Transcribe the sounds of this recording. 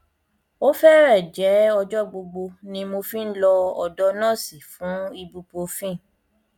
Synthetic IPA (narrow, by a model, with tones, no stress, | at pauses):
o˦fɛ˦ɾɛ˦˨d͡ʒɛ˨˦ɔ˧d͡ʒɔ˦ɡ͡bo˧ɡ͡bo˧nĩ˧mo˧fĩ˦n̩˦lɔ˧ɔ˧dɔ˦nãː˦˨si˨fũ˨˦i˧bu˧po˧fĩ˦˨